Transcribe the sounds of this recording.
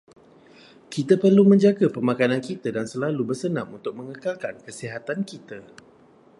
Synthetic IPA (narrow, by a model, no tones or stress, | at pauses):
kit̪apərlumə̃ɲd͡ʒaɡapərmakanankit̪adansəlalubərsənãmunt̪ʊk̚mə̃ŋəkalkankəsiɦat̪ankit̪a